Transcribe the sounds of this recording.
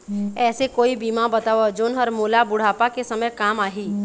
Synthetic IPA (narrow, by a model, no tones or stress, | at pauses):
ɛːsekoːibiːmãbɐt̪aːʋod͡ʒoːnɦɔɾmoːlabʊɽ̤aːpakesɐməjkaːmaːɦiː